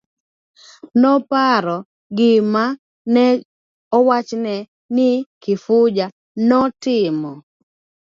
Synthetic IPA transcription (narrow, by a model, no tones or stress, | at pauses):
nɔpaɾɔ | ɡɪma | nɛ | ɔwat͡ʃnɛ | nɪkɪfʊd͡ʒa | nɔtɪmɔ